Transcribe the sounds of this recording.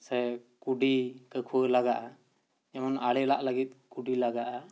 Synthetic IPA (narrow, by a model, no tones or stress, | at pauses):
sɛkuɖikəkʰuəlaɡaʔa | ɛmɔnaɽilaʔləɡit̪̚ˀkuɖilaɡaʔa